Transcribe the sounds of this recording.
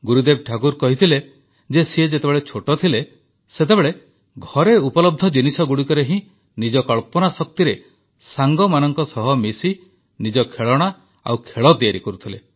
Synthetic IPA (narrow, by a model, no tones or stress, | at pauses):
ɡuɾud̪eb̚ʈʰakuɾkɔɦit̪ʰile | d͡ʒesied͡ʒet̪ebeɭet͡ʃʰoʈɔt̪ʰile | set̪ebeɭe | ɡʱɔɾeupɔlɔb̚d̪ʱɔd͡ʒinisɔɡuɽikɔɾeɦĩ | nid͡ʒɔkɔɭpɔnasɔk̚t̪iɾe | saŋɡɔmanɔŋkɔsɔɦɔmisi | nid͡ʒɔkʰeɭɔɽ̃a | a̰wkʰeɭɔd̪iaɾikɔɾut̪ʰile